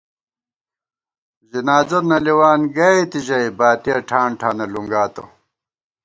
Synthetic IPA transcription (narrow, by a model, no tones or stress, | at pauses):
d͡ʑinaːzɐnɐliwaːnɡɐjt̪iʑɐjbaːt̪ijɐʈʰaːɳʈʰaːnɐluŋɡaːt̪o̰